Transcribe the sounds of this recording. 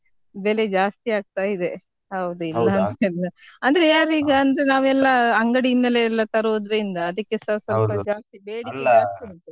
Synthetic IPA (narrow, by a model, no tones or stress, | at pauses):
bele̞d͡ʒaːst̪iaːɡ̚t̪aːjid̪e | ɦɐwud̪uilːɐnt̪eɛlːɐɐnd̪ɐɾejaːɾiːɡɐːnd̪ɾenaːʋuɛlːɐɐŋɡɐɽiind̪ɐleːlːɐt̪ɐɾoːd̪ɾeind̪ɐːd̪ɐkːesɐsɐlpɐd͡ʒaːst̪ibeːɽikeaːɡt̪ɐnt̪u